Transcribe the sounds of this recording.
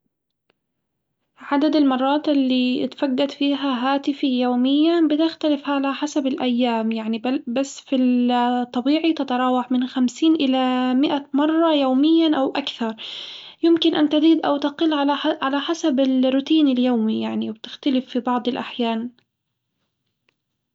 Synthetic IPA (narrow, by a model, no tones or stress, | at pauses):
ʕad̪ad̪ɪlmɑrˤːɑːt̪ʔɪlːit̪faɡːad̪fiːɦaɦaːt̪ɪfijoːmɪjːabɪt̪ɪxt̪alɪfʕalaħasabɪlʔajːaːmjaʕnibasːfit̪ˤːɑbiːʕit̪ɪt̪ɾˤɑːwɑħmɪnxamsiːnʔɪlamɪʔamɑrˤːɑjoːmɪjːaʔawʔakθɑɾˤ | jɪmkɪnʔant̪ɪziːd̪ʔawt̪ɑqɪlːʕaʕalaħasabɪlrʊt̪iːnɪljoːmijaʕniwbt̪ɪ̥xt̪alɪfːibɑʕd̪ˤɪlʔaħjaːn